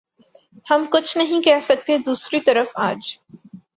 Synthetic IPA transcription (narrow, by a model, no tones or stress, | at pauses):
hɐmkʊt͡ʃʰnɐɦĩkɛɦsɐk̚t̪ed̪uːsɾit̪ɐɾəfaːd͡ʒ